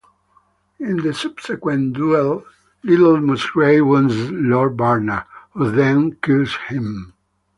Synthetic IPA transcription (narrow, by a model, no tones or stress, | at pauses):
ɪ̃nðəsʌb̥sɛkwɛ̃nduɛlˠ | liɾl̩musɹeɪwə̃nzlɔɹbaɹnəhuðɛ̃nkuzhĩm